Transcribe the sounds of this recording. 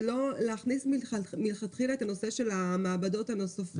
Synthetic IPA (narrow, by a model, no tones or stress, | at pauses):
lo̞leaχnismimilχat̪χilaet̪ano̞se̞ʃe̞lamaːbado̞tanosaf